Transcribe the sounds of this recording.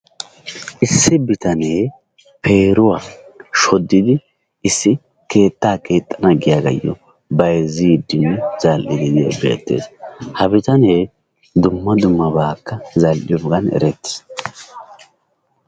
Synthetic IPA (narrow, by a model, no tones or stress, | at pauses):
ʔɪsːɪbɪt̪ɐneː | pʰe̞ːɾʊwaːʃɔd̪ːɪd̪ɪ | ɪsːɪ | ke̞ːt̪ːaːkʰe̞ːt̪ʼːɐnɐɡɪjaɡɐ̰jːɔ̰ | bɐjzid̪ːɪnːɛz̥ɐlʔɪd̪ɪd̪ɪɛ̰bḛːt̪ːe̞̰ːshɐbɪt̪ɐne̞ː | d̪ʊmːɐd̪ʊmːɐbaːkːɐzɐlʔɪ̰jɔɡɐnɛ̰ɾɛt̪ːɪ̥s